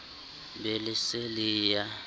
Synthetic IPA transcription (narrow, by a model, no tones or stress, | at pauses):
belɪsɪliːja